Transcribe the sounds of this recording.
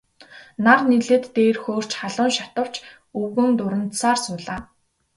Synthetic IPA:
narniɮĕːt̪ːeːrxoːr̥t͡ɕχaɮʊːnʃat̪ə̆w̥t͡ɕ | ɵɣɘ̆nt̪ʊɾə̆nt̪saːrsʊːɮaː

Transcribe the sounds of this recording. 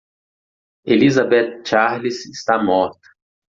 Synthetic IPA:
elizabet̪t͡ʃaɾlisɪst̪amɔɾt̪ɐ̥

